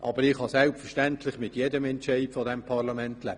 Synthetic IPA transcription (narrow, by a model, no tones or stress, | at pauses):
ʔɑbəɾɪχhɑsɛlpfəɹʃtɛntlɪχmɪtjedəmɛntt͡ʃɛɪtfɔdɛmpʰɑʁlɑmɛntlɛb